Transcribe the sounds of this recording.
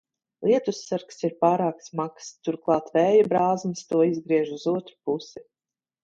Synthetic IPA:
lˠiɛt̪usːaɾksiɾpaːɾaːksmakst̪uɾklˠɑːt̪vɛːjabɾaːzmist̪uɔizɡɾiɛʒuzuɔt̪ɾu̥pusi

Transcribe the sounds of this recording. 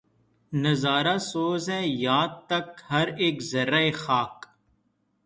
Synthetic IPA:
nɐzaːɾasoːzɦɛ̃ːjaːd̪̚t̪ɐkhɐɾeːkzɐɾaexaːk

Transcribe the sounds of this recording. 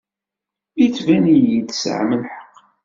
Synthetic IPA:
it͡sːvænijid̪sə̰ʕmənħə̥qː

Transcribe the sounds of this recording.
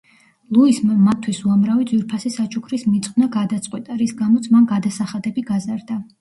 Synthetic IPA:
lˠuismamat̪ʰːwisuamɾavid̪zwiɾpʰasisat͡ʃʰʼukʰɾismit̪sʼqʼwnaɡad̪at̪sʼqʼwɛt̪ʼaɾisɡamɔt̪sʰmanɡad̪asaχad̪ɛbiɡazaɾd̪a

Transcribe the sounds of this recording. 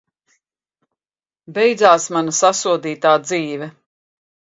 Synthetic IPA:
bɛjd̪zaːsmanasasuɔd̪iːt̪aːd̪ziːvɛ

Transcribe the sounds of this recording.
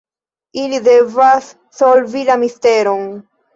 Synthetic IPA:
ilidevasː | olvilamisteɾon

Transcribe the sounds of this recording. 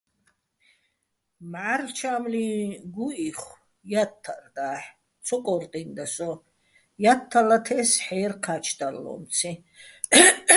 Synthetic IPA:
maɾt͡ʃʰaːmliɡuiχ | jat̪ʰːard̪aːħ | t͡sʰɔkʼɔɾt̪ʼind̪asɔ | jat̪ʰːalat̪ʰɛːsħɛːɾqʰat͡ʃʰd̪alːɔ̰mt͡sʰi

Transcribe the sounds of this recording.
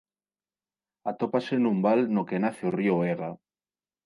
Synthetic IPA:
at̪opasenũmbalnokenaθeorioeɣa

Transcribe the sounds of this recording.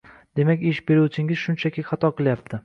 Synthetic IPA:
d̪̥e̞makʲɪʃbe̞ɾuwt͡ʃʰɪŋʲɪz̥ʃʊnt͡ʃʰakʲʰɪχɑt̪ʰɒqɨlˠjap̚t̪ʰɪ

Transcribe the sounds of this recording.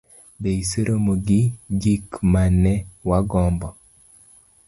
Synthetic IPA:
beiseɾʔomoɡɪd͡ʒikmanɛwaɡɔmbɔ

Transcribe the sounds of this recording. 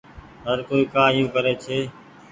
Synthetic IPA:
ɦəɾkoːiːkaːjũːkəɾeːt͡ʃʰeː

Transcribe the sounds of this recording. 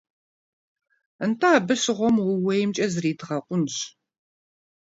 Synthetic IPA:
əntʰaːbɨɕɪʁʷɔmwʊwɐjɪmt͡ʃʼɐzɨriːdʁɐqʷʼʊnɕ

